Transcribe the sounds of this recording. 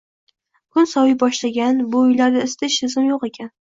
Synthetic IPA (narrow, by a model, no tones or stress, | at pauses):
kʰʊnsɒwɪjbɒʃlaɡʲanbʊːjlaɾd̪aɪst̪aʃɪzɪmjoqe̞kʲʰan